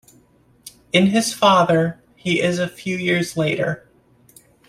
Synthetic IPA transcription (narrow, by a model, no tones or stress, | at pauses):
ɨ̃nɨz̥fɑðə˞ | iʔɪzɨfjʉjɪɹzleɪɾə̰˞